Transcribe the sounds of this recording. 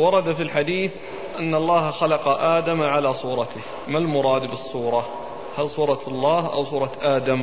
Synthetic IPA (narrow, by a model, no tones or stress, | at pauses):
wɑɾˤɑd̪afilħad̪iːθ | ʔanːɑlˤːɑːhxalɑqɑʔaːd̪amʕalaːsˤuːɾˤɑt̪ɪh | malmʊɾˤɑːd̪bɨsˤːuːɾˤɑ | halsˤuːɾˤɑlˤːɑːɦʔa̰wsˤuːɾˤɑt̪ʔaːd̪am